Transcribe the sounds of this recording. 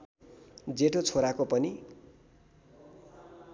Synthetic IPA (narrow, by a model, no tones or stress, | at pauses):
d͡zeʈot͡sʰoɾakopʌni